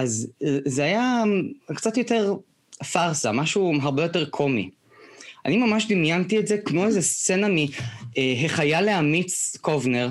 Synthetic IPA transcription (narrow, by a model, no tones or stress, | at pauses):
ʔazzeajakt͡satjo̞te̞ʁ | faʁsa̰maʃuɦaʁbejo̞teʁkʰo̞mḭ | a̰nimamaʃdimjantietzekmoezest͡senamieɦeχajaleamit͡skovneʁ